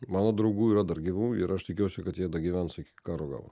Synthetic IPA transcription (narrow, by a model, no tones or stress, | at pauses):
mɑːnoːd̪ɾɐʊɡuːiːɾɐd̪ɐɾɡʲiʋuːɪɾɐʃt̪ʲɪkʲuːʊsʲʊkɐt̪jiɛd̪ɐɡʲiʋʲænsɪkʲɪ̥kɑːɾoːɡɑ̰ːʋˠo̰